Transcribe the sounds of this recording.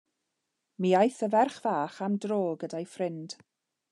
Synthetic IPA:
miajθəvɛrχv̥aːχamdroːɡədajfrɪnd̥

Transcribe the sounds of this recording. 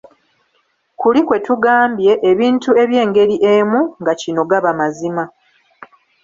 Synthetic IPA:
kulikwe̞tuɡaːmbje̞ʔːβiːntue̞βje̞ːŋɡe̞ɾiʔe̞muŋɡacino̞ɡaβamazima

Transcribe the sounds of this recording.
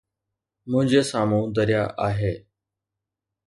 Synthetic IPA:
mʊ̃ɦɪ̃ɲd͡ʑeːsaːmũːd̪əɾɪjaʔaːɦeː

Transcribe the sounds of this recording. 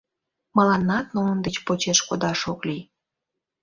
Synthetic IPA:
məlɑnːɑt̪̚nund̪et͡ɕpot͡ɕeʃkod̪ɑʃoklij

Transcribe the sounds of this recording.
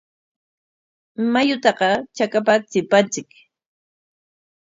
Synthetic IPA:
majʊt̪ɑqɑt͡ʃakapat͡sɪpant͡sɪk

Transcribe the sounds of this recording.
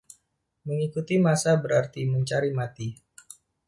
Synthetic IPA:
məŋikut̪imasabəɾart̪iməɲt͡ʃaɾimat̪i

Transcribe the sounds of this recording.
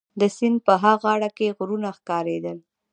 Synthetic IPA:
d̪əsɪnpəɦaɣɑɽakeɣɾunaxkɑɾed̪əl

